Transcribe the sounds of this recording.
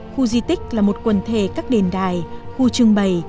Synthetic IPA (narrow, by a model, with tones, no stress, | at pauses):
xu˧zi˧t̪ï˦˥k̟̚laː˨˩mo˨˩t̚kwə˨˧˩nt̪ʰe˧˩kaː˦˥k̚ɗe˨˩nɗaː˨˩jxu˧t͡ɕɨ˧əŋɓə˨˩j